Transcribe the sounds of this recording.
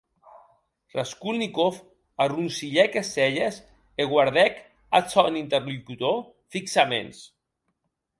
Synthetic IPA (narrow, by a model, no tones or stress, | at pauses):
raskulnikof | arunsiʎɛkesɛʎes | eɣwaɾðɛk | asɔnint̪eɾlukut̪o | fiksamḛns